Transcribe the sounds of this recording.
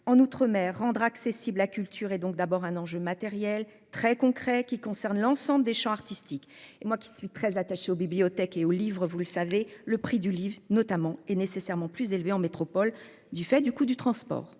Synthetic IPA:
ɑ̃nut̪χəmɛʁːɑ̃d̪ʁaksesiblakʲylt̪ʰyʁed̪ɔ̃k̚d̪abɔʁɛ̃nɑ̃ʒømat̪ɛʁjɛl | t̪χɛkɔ̃kχɛkʲikɔ̃sɛʁnlɑ̃sɑ̃bləd̪eʃɑ̃aʁt̪ist̪ikemwakʲi̥sɥit̪χɛzat̪aʃeobibliɔt̪ɛkeolivʁvuləsaveləpχid̪ylivʁnɔt̪amɑ̃ɛnesesɛʁmɑ̃plyzelveɑ̃met̪χɔpɔl | d̪yfɛd̪ykud̪yt̪χɑ̃spɔ̰ːʁ

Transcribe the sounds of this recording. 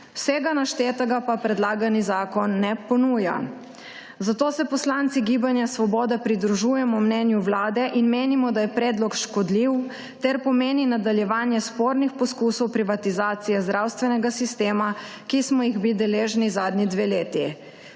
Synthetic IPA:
wsɛɡanaʃt̪et̪aɡapapɾɛd̪laːɡanizaːkɔnːɛpɔnuːja̰ | zat̪oːsɛpɔslaːnt̪siɡibanjasʋɔbɔːd̪ɛpɾid̪ɾuʒuːjɛmɔmnɛnjuwlaːd̪ɛʔinmeːnimɔd̪ajɛpɾɛːd̪lɔkʃkɔd̪liw | t̪ɛɾpɔmeːninad̪aljɛʋaːnjɛspoːɾnixpɔskuːsɔwpɾiʋat̪izaːt̪sijɛzd̪ɾawst̪ʋɛnɛɡasist̪eːmakismɔjiɣbid̪ɛleːʒnizaːd̪nid̪ʋeːleːt̪i

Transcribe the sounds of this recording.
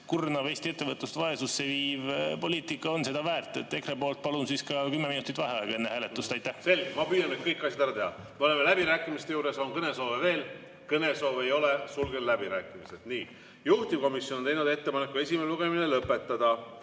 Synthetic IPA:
kurnɑve̞ːst̪ie̞t̪ːe̞vɤt̪lust̪vɑe̞susːeviːvpo̞liːt̪ˑikːˑɑonse̞d̪̥ɑvæːrt̪ːˑe̞t̪ːˑe̞krepo̞ːlt̪̚pɑlunsiskɑkymːeminut̪ːˑit̪vɑɦeɑeɡ̥ɑe̞nːehæːle̞t̪ːˑust̪ɑjt̪ːæhse̞lɡemɑpyːjɑnet̪kɤjkˑːɑsjɑd̪æɾɑt̪ehɑ̰ | meolemelæbiɾæːkːˑimist̪e̞juːɾe̞soŋkɤne̞so̞ːveve̞ːl | kɤne̞so̞ːveejo̞lesulɡenlæbiɾæːkːˑimised̪̥niː | juht̪imko̞misjo̞not̪e̞jnud̪e̞t̪ːe̞pɑnekːˑue̞sʲimeluɡeminelɤpːˑe̞t̪ːɑd̪̥ɑ

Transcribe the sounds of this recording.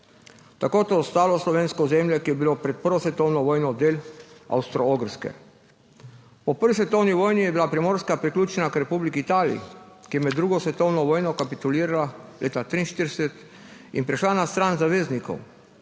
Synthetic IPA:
t̪akoːt̪oɔst̪aːlɔslɔʋeːnskɔzemljɛkijɛbilopɾɛt̪̚pəɾʋɔsʋɛt̪ɔwnɔʋɔːjnɔd̪eːla̰wst̪ɾɔoɡɾ̩skɛ̰ | pɔpəɾʋisʋɛt̪ɔwniʋɔːjnijɛbilapɾɛmoːɾskapɾiklʲuːt͡ʃɛnakɾɛpublikiːt̪aːlḭḭkijɛmɛd̪ɾuːɡɔsʋɛt̪ɔwnɔʋɔːjnɔkapit̪uliːɾalaleːt̪at̪ɾiːnʃt̪iɾsɛt̪ | inpɾiʃlanast̪ɾanzaʋeːznikɔ̰w

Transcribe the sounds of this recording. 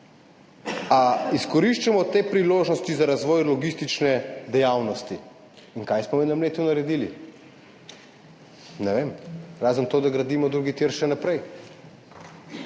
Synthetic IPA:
aiskɔɾiʃt͡ʃɛmɔt̪eːpɾiloːʒnɔst̪izaɾazʋɔːjlɔɡist̪it͡ʃnɛd̪ɛjawnɔst̪i | inkajsmɔmɛnamleːt̪junaɾɛd̪ili | nɛʋeːmɾaːzənt̪od̪aɡɾad̪iːmɔd̪ɾuɡit̪jiɾʃɛnapɾɛj

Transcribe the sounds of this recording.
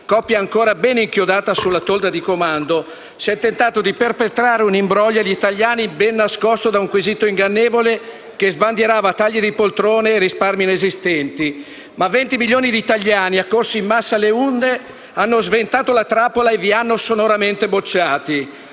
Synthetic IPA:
kɔpːjaːŋkoːɾabɛniŋkjod̪aːt̪asulːat̪old̪ad̪ikomand̪o | siɛt̪ːent̪aːt̪od̪iperpet̪ɾaːɾeunimbɾɔʎːaʎːit̪aʎːaːnibɛnːaskɔst̪od̪auŋkwizit̪oiŋɡanːeːvole | kezband̪jeɾaːvat̪aʎːid̪ipolt̪ɾoːneːrisparminezist̪ɛnt̪i | mavɛnt̪imiljoːnid̪iːt̪aʎːaːniakːorsiimːasːaleund̪e | anːozvent̪aːt̪olat̪ɾaːpolaevianːosonoɾament̪ebot͡ʃːaːt̪i

